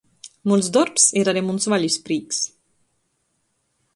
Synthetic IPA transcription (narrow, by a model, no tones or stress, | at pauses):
molzd̪ɔɾpseɾaɾemunzβaʎispɾiks